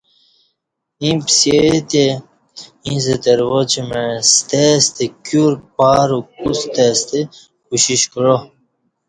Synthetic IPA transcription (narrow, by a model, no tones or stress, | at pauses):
ĩpset̪e | ĩzed̪əɾwod͡ʑmest̪est̪ekjuɾpaːɾukust̪est̪e | kuɕiɕkɻo